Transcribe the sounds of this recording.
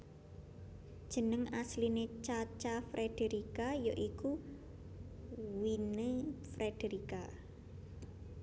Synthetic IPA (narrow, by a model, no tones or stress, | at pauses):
d̥ʒ̥ə̤nəŋaslinet͡ʃat͡ʃafɾed̥eɾikajoʔiku | winefɾed̥eɾika